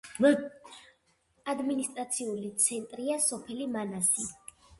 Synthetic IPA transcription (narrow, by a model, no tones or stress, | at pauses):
ad̪minist̪ʼɾat̪sʰiulit̪sʰɛnt̪ʼɾiasɔpʰɛlimanasi